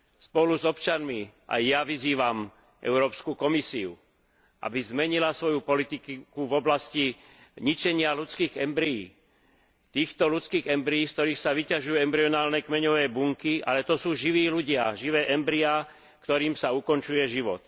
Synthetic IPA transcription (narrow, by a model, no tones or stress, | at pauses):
spɔluzɔpt͡ʃanmiʔa̰jːaʋiziːʋam | ʔɛ̰ʊɾɔːpskukɔmisiṵ | ʔa̰bizmɛɲilasʋɔjupɔlit̪ikkuvɔblasci | ɲit͡ʃɛɲɪalut͡skiːɣɛmbɾijḭː | t̪iːxt̪ɔlut͡skiːɣɛmbɾiiːsk̚t̪ɔɾiːxsaʋicaʒujuɛmbɾiɔnaːlnɛkmɛɲɔʋɛːbuŋkia̰lɛt̪ɔsuːʒiʋiːluɟɪaʒiʋɛːʔɛmbɾia | kt̪ɔɾiːmsaukɔnt͡ʃujɛʒiʋɔt̪̚